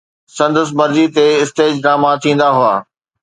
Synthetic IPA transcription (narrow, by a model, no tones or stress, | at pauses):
sɐ̃nd̪əs̬mɐɾd͡ʑit̪eɪst̪eːd͡ʑɾãːmãt̪ʰĩːn̆d̪aɦʊaː